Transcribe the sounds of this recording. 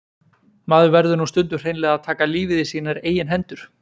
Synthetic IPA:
maːðʏvɛɾðʏnust̪ʏnt̪ʏr̥eːjnlɛːɣaðt̪ʰaːkaliːvɪðɪsiːnaɾeːjɪnɦɛnt̪ʏɾ̥

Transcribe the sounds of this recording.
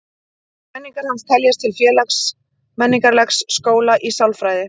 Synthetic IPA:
mɛnːiŋkaɾ̥hanst̪ʰɛljast̪ʰɪlfjɛːlaks | mɛnːiŋkaɾlɛksːkoːwlaʔisawlfɾaːjðɪ

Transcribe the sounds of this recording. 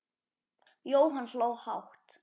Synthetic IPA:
joːwɦanl̥oːwhawht̪

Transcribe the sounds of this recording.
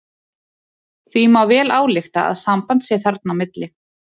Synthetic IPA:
θvimawvɛːlaːwlɪxt̪a̰a̰ðsampant̪sɛθaɾt̪̚nawmɪt̪lɪ

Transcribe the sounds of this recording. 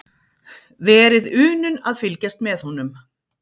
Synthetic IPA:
vɛːɾɪðʏːnʏnaðfɪlcast̪mɛðhunʏm

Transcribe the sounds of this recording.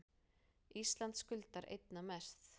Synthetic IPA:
ist̪lant̪skʏlt̪aɾʔḛjt̪namɛɾ̥θ

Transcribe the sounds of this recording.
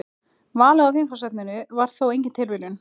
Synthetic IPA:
vaːlɛɣawfjeŋkfasɛt̪̚nɪnɪvaɾ̥θowejɲcɪnt̪ʰɪlvɪlʏn

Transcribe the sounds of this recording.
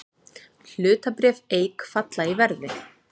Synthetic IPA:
l̥ʏːt̪apɾɛːveːjkfat̪laivɛɾðɪ

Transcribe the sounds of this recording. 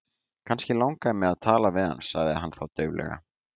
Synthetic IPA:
kʰanscɪlawŋkamɛðaðt̪ʰaːlavɪðha̰nsaɣðɪaɦanːθawt̪œɥvlɛ̰ɣa̰

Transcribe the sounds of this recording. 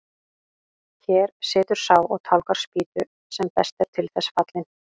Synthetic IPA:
çɛːɾsɪːt̪ʏɾ̥saːwɔɣt̪ʰawlkaɾ̥spiːt̪ʏ | sɛmpɛst̪ɛɾ̥t̪ʰɪlθɛsːfat̪lɪn

